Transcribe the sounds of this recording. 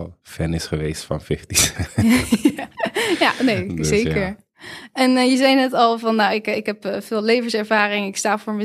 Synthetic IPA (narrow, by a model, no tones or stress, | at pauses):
lˠfɛnɪsχəʋejstfɑ̰nfɪftis | ajaːnezejkəɹ | ɛnjəzɛjnɛtɑlˠvɑnːawɪkɪkɦɛpvɪːlˠlejvənsɛɹvaːrɪŋɪkstaːv̥ʊːɹmə